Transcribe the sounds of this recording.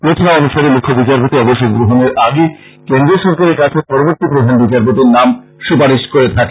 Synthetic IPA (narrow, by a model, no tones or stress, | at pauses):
pɾot̪ʰonaɔnuʃaɾemukʰːobit͡ɕaɾp̬ot̪iɔboʃoɡɾoɦoneɾʔaɡi | kend̪ɾeɾʃɔɾkaɾeɾkat͡ɕʰepɔɾoboɾt̪ipɾod̪ʱanbit͡ɕaɾpot̪iɾnam | ʃupaɾiʃkoɾet̪ʰake